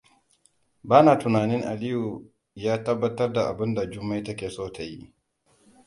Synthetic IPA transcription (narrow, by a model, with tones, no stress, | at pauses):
baː˦naː˨tʊ˨naː˨nɪ˦ŋʔa˨lɪ˦ju˨ | jaː˦tɐ˦bːɐ˦tɐ˦rda˨ʔa˨bɪ˦nda˨d͡ʒʊ˦mːa˦jtɐ˦kʲeː˨soː˦tʰa˨jḭ˦ʔ